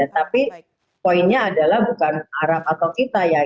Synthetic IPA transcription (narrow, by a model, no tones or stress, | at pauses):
at̪api | poinɲaːdalahbukanaɾap̚at̪awkit̪aja